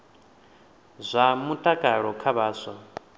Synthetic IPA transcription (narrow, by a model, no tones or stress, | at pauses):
zʷamutʼakʼaɺɔkʰaβaːsʷa